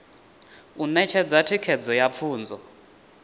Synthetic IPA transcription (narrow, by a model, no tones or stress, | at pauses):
unɛt͡ʃʰɛd͡zatʰikʰɛd͡zɔjap̪fʰuːnd͡zɔ